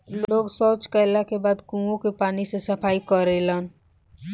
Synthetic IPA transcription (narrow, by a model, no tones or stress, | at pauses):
loːɡsɔːt͡ʃkaɪlakebaːd̪kũːõkepaːnisesɐpʰaːikəɾelaːn